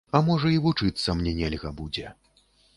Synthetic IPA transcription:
ɐmɔʐɐivut͡ʂɨt̪sːɐmnʲɛnʲɛlʲɣɐbud͡zʲɛ

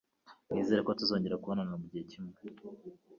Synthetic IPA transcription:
mŋiːze̞ːɾekotuzo̞ːɲɟe̞ɾakuβo̞nanamubɟihecimwe

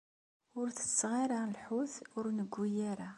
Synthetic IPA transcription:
ʊɾθə̥t͡sːʁiɾalħuθʊɾnəɡʷːijæɾa

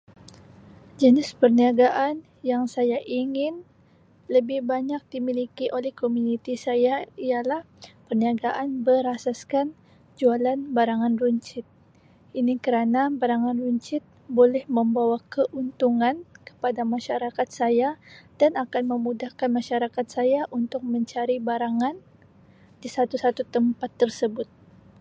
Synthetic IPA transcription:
d͡ʒənɪspərniaɡaʔan | jaŋsajaʔiŋɪn | ləbɪhbaɲak̚dimilikiʔolɛhkomunit̪isajaijalah | pərniaɡaʔanbəɾasaskan | d͡ʒualanbaɾaŋanruɲt͡ʃɪt̪̚ | ʔinikəɾanabaɾaŋanruɲt͡ʃɪt̪̚bolɛhməmbawakəʔunt̪uŋankə̥padamaʃaɾakat̪̚sajad̥anakanməmudahkanmaʃaɾakat̪̚sajaʔunt̪ʊk̚məɲt͡ʃaɾibaɾaŋan | disat̪usat̪ut̪əmpat̪ːərsəbʊt̪̚

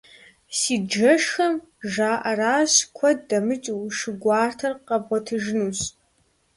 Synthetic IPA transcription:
siːd͡ʒɐʂxɐm | ʒaːʔɐraːɕkʷʰɔd̚dɐmɨt͡ʃʼʂɨɡʷɑːrtʰɐrqɐbʁɔtʰɨʒnuːɕ

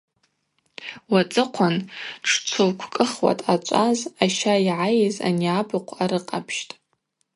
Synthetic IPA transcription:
wat͡sʼɨqʷʰanʈ͡ʂʰt͡ʃʷʰolkʷʰkʼɨχwa̰tʼat͡ʃʷʼazaʃajʕajɪza̰niabɨqʷʰaɾɨqʼapʰʃtʼ

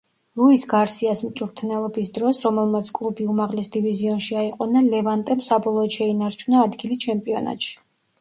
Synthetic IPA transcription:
lˠuisɡaɾsiasmt͡ʃ̪ʼuɾt̪ʰnɛlˠɔbisd̪ɾɔsɾɔmɛlˠmat̪sʰkʼlˠubiumaʁlɛsd̪iviziɔnʃiaiqʼɔnanlɛvant̪ʼɛmsabɔlˠɔːd̪ʃɛinaɾt͡ʃʰunaːd̪ɡilit͡ʃʰɛmpʼiɔna̰t̪ʃi̥

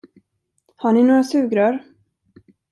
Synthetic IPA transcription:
haɳɪnoːɾasʉ̟ːɡɾaɾ

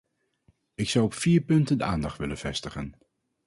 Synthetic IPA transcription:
ɪksʌwɔpfiːɹpɵntəndəaːndɑχtʋɪlənv̥ɛ̰stəχən

